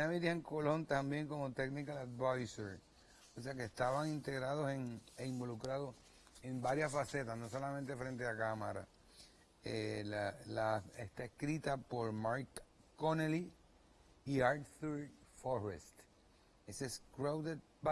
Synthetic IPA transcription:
amiɾieŋko̞lo̞nt̪ambje̞ŋko̞mo̞t̪e̞ɡnikalad̪vajseɾ | ose̞akest̪aβaŋint̪e̞ɣɾaðoseŋeimbo̞lukɾaðos | e̞mbaɾjasfase̞t̪asno̞so̞lamẽnt̪e̞fɾe̞nt̪̬eakamaɾa̰ | elalaḛst̪aeskɾit̪apo̞ɾmaɾkːoneli | iaɾt̪θuɾt̪foɾḛst̪ | eseskɾawðet̪̚ba

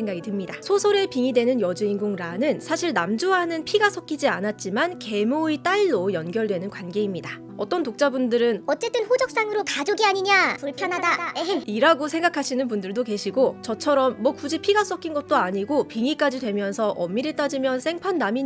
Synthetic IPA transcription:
eŋɡaɡitɯmɲidasʰosʰʌɾepiŋidwe̞nɯnjʌd͡ʑɯinɡoŋɾanɯnsʰaɕʰiɭnamd͡ʑuɦanɯnpʰiɡas͈ʌk͈ʰid͡ʑianat̚t͡ɕ͈imanke̞moet͈aɭːojʌnɡjʌɭdwe̞nɯnkwanɡe̞imɲida | ʌt͈ʌntok̚t͡ɕ͈abundɯɾɯnʌt͡ɕ͈e̞t͈ɯnɸod͡ʑʌk̚s͈aŋɯɾokad͡ʑoɡiaɲiɲapoɭpʰjʌnɦadaiɾaɡosʰe̞ŋɡakʰaɕʰinɯnpundɯɭdoke̞ɕʰiɡot͡ɕʌt͡ɕʰʌɾʌmːwʌkud͡ʑipʰiɡas͈ʌkʰinɡʌt̚t͈oaɲiɡopiŋik͈ad͡ʑidwe̞mjʌnsʰʌʔʌmːiɾeɭt͈ad͡ʑimjʌnsʰe̞ŋpʰanːamiɲ

